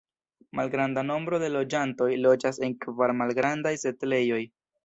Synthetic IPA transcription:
malɡɾandano̞mbɾo̞de̞lo̞d͡ʒanto̞jlo̞d͡ʒase̞nkvaɾmalɡɾandajse̞tle̞jo̞j

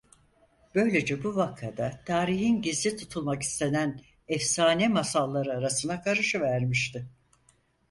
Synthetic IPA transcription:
b̥ø̞jlʲe̞d͡ʒɛbuvakʰːad̪at̪ʰaːɾiɦinɟizlʲit̪ʰut̪ʰulˠmaki̥st̪ʰe̞næn | ɛfsaːnɛmasalˠːaɾɯaɾasɯnakʰaɾɯʃɯvæɾmiʃt̪ʰɪ

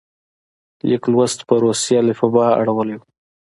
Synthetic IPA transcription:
liklwast̪pəɾosjɑlɪfabɑa̰ɽawəlew

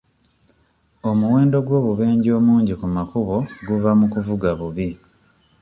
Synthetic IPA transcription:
o̞muwe̞ːndo̞ɡwo̞ːβuβe̞ːɲɟo̞ːmuːɲɟikumakuβo̞ɡuvamukuvuɡaβuβi

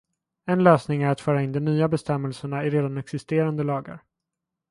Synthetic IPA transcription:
ɛnløːsnɪŋæɾat̪fœːɾaɪnd̪ɔmnyːabɛst̪ɛmːɛlsəɳaɪɾeːd̪anɛksɪst̪eːɾand̪əlɑːɡa̰ɾ

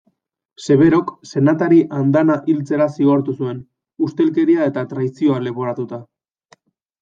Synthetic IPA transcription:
se̞β̞e̞ɾo̞kse̞nat̪aɾiʔand̪anaʔilt͡se̞ɾasiɣo̞ɾt̪usue̞n | ust̪e̞lke̞ɾiae̞t̪at̪ɾaisio̞ale̞βo̞ɾat̪ut̪a

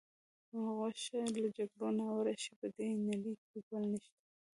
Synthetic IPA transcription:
aɣaʃalad͡ʒaɡɽonaawɾaʃipəd̪enalikiɡwəlniʃt̪ḁ

